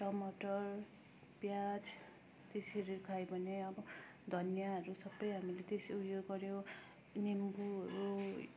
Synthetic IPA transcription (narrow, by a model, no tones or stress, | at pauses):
ʈʌmʌʈʌr | bjad͡z | t̪esiʌɾikʰajbʱʌneʌbʌ | d̪ʱʌnjaɦʌɾusʌbːʌjɦamilet̪esiujoɡɡʌɾjo | nimbuʌɾu